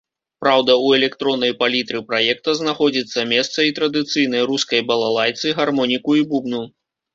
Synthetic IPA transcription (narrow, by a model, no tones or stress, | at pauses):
pɾawd̪ɐuɛlʲɛkt̪ɾɔnːɐjpalʲit̪ɾɨpɾajɛk̚t̪ɐznaxɔd͡zʲit̪sːɐmʲɛst̪sɐit̪ɾɐd̪ɨt̪sɨjnɐjɾuskɐjbɐlˠalˠajt̪sɨɣarmɔnʲikuibubnu